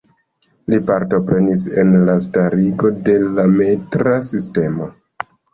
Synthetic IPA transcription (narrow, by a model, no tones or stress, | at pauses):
lipaɾto̞pɾe̞nise̞nlastaɾiɡo̞de̞lametɾasiste̞mo̞